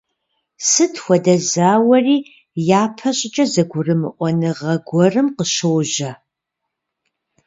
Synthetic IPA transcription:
sɨtʰxʷɔdɐzaːwɐriː | jaːpʰɐɕʼɪt͡ʃʼɐzɐɡʷʊrɨmɨʔʷɔnɨʁɐɡʷɔrɨmqəɕowʒɐ

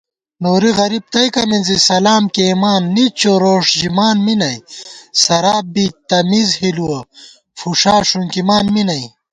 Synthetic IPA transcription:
noːɾiɣɐɾib̚t̪ɐjkɐminzisɐlaːmkemaːnːit͡ɕʰoɾoːʂd͡ʑimaːnminɐjsɐɾaːbit̪ɐmizhiluɐ | fuʂaːʂunkimaːnminɐj

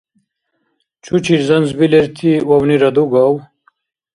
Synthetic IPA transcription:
t͡ʃʰut͡ɕʰiɾzɐnzbileɾt̪ʰiwɐwniɾɐd̪uɡɑw

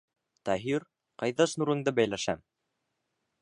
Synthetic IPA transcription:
t̪ɑɦiɾ | qɑjðɑʃnuɾɤ̆ŋd̪ɤbæjlæʃæm

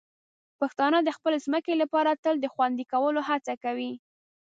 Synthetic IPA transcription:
paxt̪ɑnəd̪əxpəlezməkelapɑɾat̪əld̪əxwand̪ikawəloɦat͡sakawi

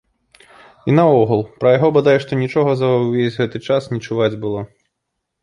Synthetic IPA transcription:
inɐɔɣɐlˠpɾɐjaɣɔbad̪ajʂt̪ɔnʲit͡ʂɔɣɐzɐwvʲezʲɣɛt̪ɨt͡ʂasnʲit͡ʂuvad͡zʲbɨlˠɔ

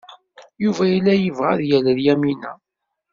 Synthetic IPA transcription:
juvæjilːæjəvʁæ̰ðjæləðjæminæ̰

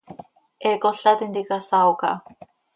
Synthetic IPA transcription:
ekoɬat̪ind̪ikasawka̰

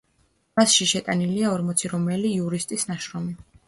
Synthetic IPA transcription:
masʃiʃɛt̪ʼaniliaɔɾmɔt̪sʰiɾɔmɛliːuɾist̪ʼisnaʃɾɔmi

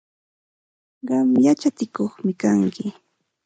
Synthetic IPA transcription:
ɢɑmjat͡ʃat͡sɪkoχmɪkaŋkɪ

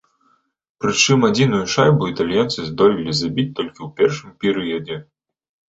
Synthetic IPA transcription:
pɾɨt͡ʂɨmad͡zʲinujuʂajbuit̪alʲjant̪sɨzd̪ɔlʲilʲizabʲit͡sʲt̪ɔlʲkʲiwpʲɛrʂɨmpʲɛɾɨjɐd͡zʲɛ

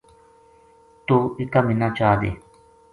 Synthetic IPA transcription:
t̪uikamĩnãt͡ʃad̪ḛ

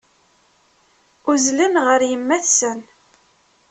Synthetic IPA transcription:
uzlənʁəɾjəmːæθsən

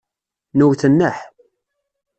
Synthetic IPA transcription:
nuwθənːəħ

